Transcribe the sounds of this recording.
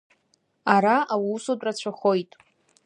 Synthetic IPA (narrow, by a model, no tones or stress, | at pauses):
aɾaʔawiusotʼrat͡ɕʷʰaχo̞jtʼ